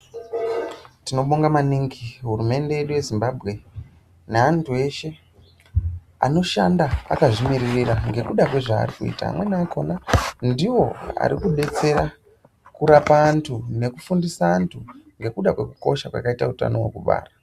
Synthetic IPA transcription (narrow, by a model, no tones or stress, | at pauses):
tino̞ɓoŋɡamaniŋɡiɦurume̞nde̞eɗuje̞zimbabʱɣe̞ | neantʰue̞ʃe̞ | a̰no̞ʃandaa̰kaʐimiririɾaŋɡe̞kuɗakwe̞ʐa̰ːrikuḭta̰ːmwe̞naːkʰo̞nandiwo̞a̰ɾikuɓe̞t͡se̞ɾa | kuɾapaːntʰune̞kufundisaːntʰuŋɡe̞kuɗakwe̞ku̥ko̞ʃakwa̰kaitauta̰no̞wekuɓa̰ːra